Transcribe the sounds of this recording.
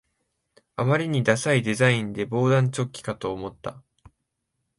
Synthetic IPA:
amaɾʲiɲ̟id̪asaid̪e̞zaĩnd̪e̞bo̞ːd̪ãɲ̟t͡ɕo̞kʲːi̥kat̪o̞ːmo̞t̪ːa

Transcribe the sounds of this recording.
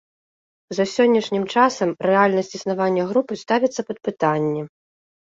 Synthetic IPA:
zɐsʲɔnʲːɐʂnʲimt͡ʂasɐmɾɛalʲnɐsʲt͡sʲisnavanʲːɐɣɾupɨst̪avʲit̪sːɐpɐt̪̚pɨt̪anʲːi

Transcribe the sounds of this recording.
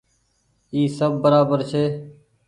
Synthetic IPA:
iːsəbːəɾaːbəɾt͡ʃʰeː

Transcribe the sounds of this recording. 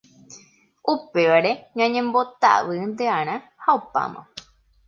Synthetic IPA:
ʔupe̞ʋaɾe̞ɲãɲẽ̞mbo̞t̪a̰ʋɨnd̪eãɾ̃ã | haupa̰mã̰

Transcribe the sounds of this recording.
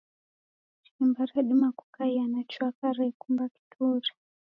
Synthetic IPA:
t͡ʃiimbaɾɛɗimakukajanat͡ʃwakaɾɛkumbaki̥tʰuɾḁ

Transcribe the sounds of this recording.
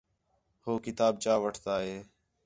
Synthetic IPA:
hoːkɪt̪aːb̚t͡ʃaːʋəʈʰt̪aːɦeː

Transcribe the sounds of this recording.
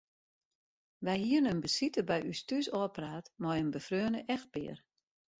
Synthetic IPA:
ʋɛjhiənənbəsitəbɛjʔystysɔəpraːtmɔjənbəfrøːnəʔɛxt̚bɪ̰ːər

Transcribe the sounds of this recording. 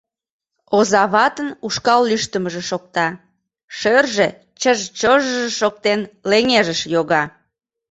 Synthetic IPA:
ozɑβɑt̪ənuʃkɑlːyʃt̪əməʒĕʃok̚t̪ɑ | ʃørʒe | t͡ɕəʒt͡ɕoʒəʒeʃok̚t̪enleŋeʒəʃjoɣɑ

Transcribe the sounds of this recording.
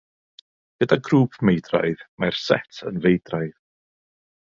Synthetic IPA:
ɡ̥ədaɡruːpʰmejdra̰jðmarsɛtʰə̰nvejdrajð

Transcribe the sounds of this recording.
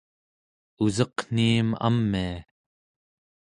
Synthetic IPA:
uzʌqn̥iːma̰mːia

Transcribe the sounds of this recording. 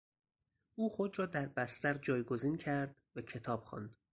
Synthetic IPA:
ʔuːxod̪ɾɒːd̪æɾbæst̪æɾd͡ʒɒːjɡo̞ziːncʰæɾd̪̥væcʰe̞t̪ʰɒːb̥xɒ̰nd̪̥

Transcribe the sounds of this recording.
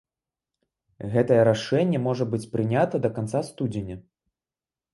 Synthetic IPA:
ɣɛt̪ɐjɛɾaʂɛnʲːɛmɔʐɐbɨt͡sʲpɾɨnʲat̪ɐd̪ɐkant̪sast̪ud͡zʲenʲɐ

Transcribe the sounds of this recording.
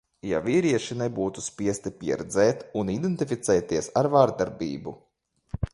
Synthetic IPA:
ja̰viːɾiɛʃinebuːt̪uspʲiɛst̪ipʲiɛɾɛd̪zɛːt̪unid̪ent̪ifʲit̪sɛːt̪iɛsaɾvaɾd̪aɾbḭːbu

